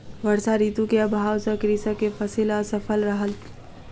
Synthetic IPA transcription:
ʋəɾsaɾiːt̪ũkeɐbʱaːwsəkɾiːsakefʰəsilɔːɾsəfʰəlɾəɦəl

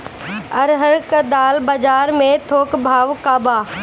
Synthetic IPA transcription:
ɐɾɦəɾkəd̪aːlbɐd͡ʒaːɾmẽt̪ʰoːkbʱaːʋkaːbaː

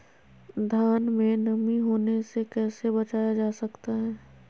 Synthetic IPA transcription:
d̪ʱaːnmẽnɐmiɦoːnesekɛːsebɐt͡ʃaːjad͡ʒaːsɐkt̪aɦɛː

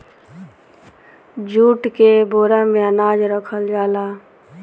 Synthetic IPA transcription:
d͡ʒuːʈkeboːɾamẽənaːd͡ʒɾəkʰəld͡ʒaːlaː

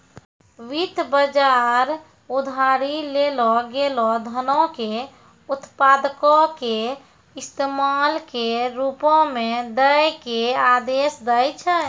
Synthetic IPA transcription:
ʋit̪bəd͡ʒaɾ | ud̪ʱaɾilelɔɡelɔd̪ʱənɔke | ut̪pad̪kɔke | ist̪emalkeɾupɔ̃med̪əjkead̪esd̪əjt͡ʃʰɛ

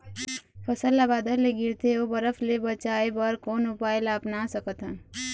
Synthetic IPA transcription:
pʰʌsəlːabad̪əɾleɡiɾt̪ʰeobʌɾʌpʰlebʌt͡ʃaebʌɾkonupaelapnasʌkʌt̪ʰa

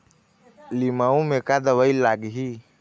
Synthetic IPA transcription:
limaumekad̪əwəilaːɡɦi

